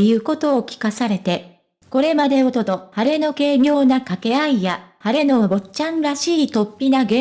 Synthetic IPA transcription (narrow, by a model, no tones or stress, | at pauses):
jɯ̟ːko̞t̪o̞ːkʲi̥kasaɾe̞t̪e̞ | ko̞ɾe̞mad̪e̞o̞t̪o̞t̪o̞haɾe̞no̞ke̞ːbʲjo̞ːnakake̞aijahaɾe̞no̞bo̞t͡ɕãnɾaɕiːt̪o̞pʲːinaɡẽ